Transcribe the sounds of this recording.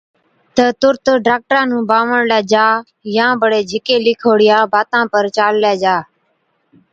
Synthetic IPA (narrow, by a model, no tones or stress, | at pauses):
t̪ət̪ʊɾt̪ɖaːk̚ʈɾãːnũːbaːʋəɳlaːd͡ʒaː | jãːbəɽeːd͡ʒʱɪkeːlɪkʰoːɽɪjãːbaːt̪ãːpəɾt͡ʃaːllaːd͡ʒaː